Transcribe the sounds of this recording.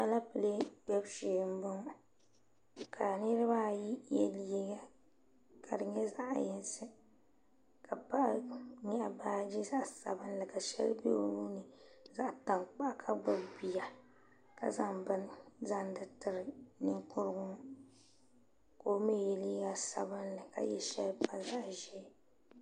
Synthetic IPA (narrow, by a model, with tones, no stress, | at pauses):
a˦la˦pɨ˨le˦dɛ˦bʃeː˨m̩˦bɨ˦ŋ˦ | ka˨nɨ˦ɾɨ˦ba˦ji˦jɛ̰˦li˦ɡa˦ | kʰa˨dɨ˨ɲɛ˦za˦ʔjɛ˦nsɨ˦ | kʰa˨pa˦ʔɲɛ˦ʔa˨baː˦d͡ʒi˦za˦ʔsa̰˨bɨ˦nlɨ˨ka˨ʃɛ̰˦lbḛ˦nu˦nɨ˨za˦ʔta˨ŋk͡pa˦ʔkʰa˦ɡ͡ba˦bi˨ja˨ | ka̰˨za˦ŋbɨ˦nza˦n˦dɨ˦tɨ˨ɾɨ˨nɨ˦ŋkʊ˦ɾɨ˦ɡʊ˦ | ko˨˦me˦˨jɛ˨li˦ɡa˦sa˨bɨ˦nlɨ˨ka̰˨jɛ˦ʃɛ˦lpa˦˨za˦ʔʒɛ˦